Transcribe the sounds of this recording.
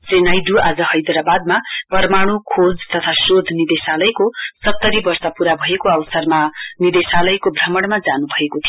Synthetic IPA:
senajɖuad͡zʌhʌjd̪ɾabad̪̚mapʌrmaɽ̃ukʰod͡zt̪ʌt̪ʰasrod̪ʱnid̪esalʌjkosʌt̪ːʌɾibʌrsʌpuɾabʱʌekoʌwsʌrmanid̪esalʌjkobʱrʌmʌɽmad͡zanubʱʌekot̪ʰijo

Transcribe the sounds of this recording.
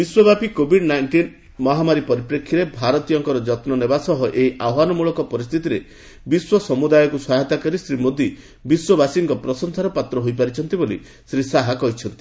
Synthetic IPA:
biswɔbapikobʱiɖnajɳʈin | mɔɦamaɾipɔɾipɾekʰːiɾebʱaɾɔt̪ijɔŋkɔɾɔd͡ʒɔt̪nɔnebasɔɦɔʔeiʔawɦanɔmuɭɔkɔpɔɾist̪ʰit̪iɾe | biswɔsɔmud̪ajɔkuswaɦet̪akɔɾisɾimod̪ʱi | biswɔbasiŋkɔpɾɔsɔnsaɾɔpat̪ɾɔɦojpaɾit͡ʃʰɔnt̪ibolḭ | sɾisaɦakɔɦit͡ʃʰɔnt̪i̥

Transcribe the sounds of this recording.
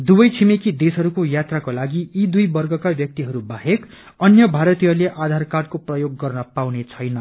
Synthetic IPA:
d̪ubʌjt͡sʰimikid̪esɦʌɾukojat̪rakolaɡiid̪ujbʌrɡʱʌkabjʌk̚t̪iɦʌɾubaɦek | ʌnjʌbʱaɾʌt̪ijʌleʔad̪ʱarkard̚koprʌjoɡːʌrnʌpawnet͡sʰʌjnʌ

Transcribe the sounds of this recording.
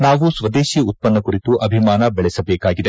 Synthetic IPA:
naːʋusʋɐd̪eːʃiut̪̚pɐnːɐkuɾit̪uʔɐbʱimaːnɐbɛɭɛsɐbɛːkaːɡid̪e̞

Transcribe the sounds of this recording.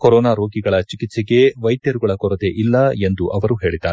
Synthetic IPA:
kɔɾɔːnaːɾo̞ːɡiɡɐɭɐt͡ʃikit̪seɡe̞ʋɐjd̪jɐɾuɡɐɭɐkɔɾɐd̪eʔilːɐe̞nd̪uʔɐʋɐɾuɦe̞ːɭid̪ːaːɾ

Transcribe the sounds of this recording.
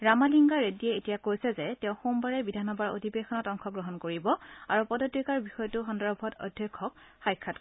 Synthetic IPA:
ɹamaliŋɡaɹediɛetijakojsɛzɛtɛ̃ʊ̃xombaɹɛbidʱanɔbaɹo̰dʱibexɔnɔtɔŋkʰɔɡɹɔɦɔnkoɹibɔaɹupɔdɔtikaɹbixɔjɔtʊxɔndɔɹɔbʱɔtɔ̰dʱjɔkʰːɔk̚ | xajkʰːat

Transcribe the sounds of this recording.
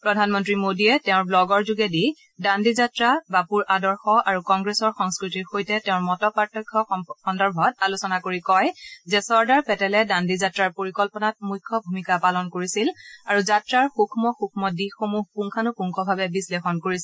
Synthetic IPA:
pɹɔdʱanmɔntɹimodiɛtɛʊ̃ɹblɔɡɔɹzuɡɛdi | dandizatɹabapuɹʔadɔɹxɔaɹukɔŋɡɹesɔɹxɔŋskɹitiɹxojtɛtɛʊ̃ɹmɔtɔpatːɔkʰːɔxɔndɔɹbʱɔtalusɔnakoɹikɔjzɛsɔɹdaɹpɛtɛlɛdandizatɹaɹpoɹikɔlpɔnat̚mujkʰːɔbʱumikapalɔnkoɹisilaɹuzatɹaɹxukʰmɔxukʰmɔdixomuɦpuŋkʰanupuŋkʰɔbʱabɛbislexɔnkoɹisi

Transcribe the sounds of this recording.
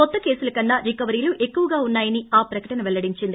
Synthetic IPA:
kɔt̪ːɐke̞ːsulɐkɐnːɐɾikɐʋɐɾiːluʔe̞kːuʋɐɡaːunːaːjɐniaːpɾɐkɐʈɐnɐʋɛɭːɐɽiɲt͡ʃind̪i

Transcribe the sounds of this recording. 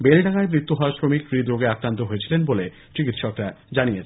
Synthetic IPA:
belɖʱaŋaemɾit̪ːuɦɔasʃɾomikɾid̪ɾoɡeakɾant̪oɦojet͡ɕʰilenbole | t͡ɕikit̪ʃɔkɾa | d͡ʑanijet͡ɕʰ

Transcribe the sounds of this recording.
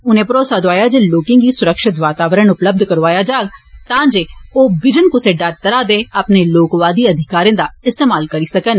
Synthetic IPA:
ʊnẽːpɾoːsaːd̪oaːjaːd͡ʒeːloːkɪ̃ŋɡiːsʊɾəkʃɪt̪ʋaːt̪aːʋəɾəɳʊpləb̚d̪ʱkəɾʋaːjaːd͡ʒaːɡt̪ãːd͡ʒeːoːbɪd͡ʒənkʊseːɖəɾt̪əɾaːd̪eːəpneːloːkʋaːd̪iːəd̪ʱɪkaːɾẽːd̪aːɪst̪eːmaːlkəɾiːsəkən

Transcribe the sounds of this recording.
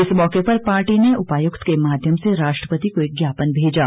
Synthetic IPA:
ɪsmɔːkepɐɾpaːɾʈineʊpaːjʊkt̪kemaːd̪ʱjəmseɾaːʃʈɾəpət̪ikoeɡjaːpənbʱeːd͡ʒaː

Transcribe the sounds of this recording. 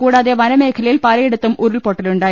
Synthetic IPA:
kuːɽaːðeʋɐnɐme̞ːkʰɐlɐjilpɐlɐjeɽut̪ːumʔuɾulpoʈːɐluɳɖaːj

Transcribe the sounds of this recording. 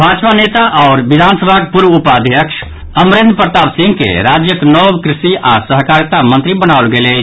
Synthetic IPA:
bʱat͡ʃpanet̪aʔɔʊɾbid̪ʱansəbʱakpuɾʋupad̪ʱjəkʃʰ | əmɾend̪pəɾt̪absĩŋɡkḛɾad͡ʒjəknɔbkɾisiʔasəɦkaɾjt̪amə̃nt̪ɾibənaʊlɡelɛ

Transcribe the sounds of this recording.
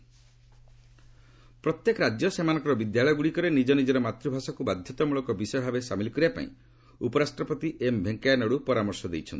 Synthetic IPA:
pɾɔt̪jekɔɾad͡ʒjɔsemanɔ̃ŋkɔɾɔbid̪jaɭɔjɔɡuɽikɔɾenid͡ʒɔnid͡ʒɔɾɔmat̪ɾubʱasɔkubad̪ʱjɔt̪ɔmuɭɔkɔbisɔjɔbʱabesamilikɔɾiapa̰ḭ̃ | upɔɾasʈɾɔpɔt̪iʔembʱeŋkajanɔɽupɔɾamɔɾsɔd̪ejt͡ʃʰɔnt̪i̥

